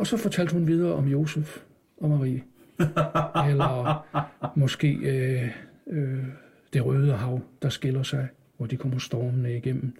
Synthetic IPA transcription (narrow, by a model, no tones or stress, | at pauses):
ɒ̽sɒ̽fɒ̽t͡sʰæl̰d̥hunʋið̞ˠɐːʔɒ̽mjo̝ːsef | ʔɒ̽mɑʁḭːə | elɐ | mɒ̽sɡ̥e̝̰ːø | ø | d̥e̝ʁœːð̞ˠəɦɑ̈ʊ̰d̥ɑ̈sɡ̥e̝lɐsɑ̈ɪ | ʋɒd̥ikʰɒm̰ɐsd̥ɒːmənəiɡ̥en̰m̩